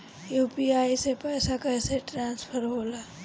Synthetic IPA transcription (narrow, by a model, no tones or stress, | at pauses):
juːpiaːisepɛːsakɛːseʈɾãːnspʰəɾɦoːlaː